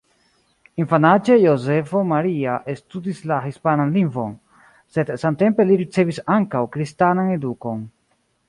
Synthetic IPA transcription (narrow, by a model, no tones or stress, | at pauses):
infanad͡ʒe̞jo̞ze̞fo̞maɾiaʔestudislaɦispananliŋɡvo̞̰n | se̞dsamte̞mpe̞liɾit͡se̞visaŋkawkɾistanane̞duko̞n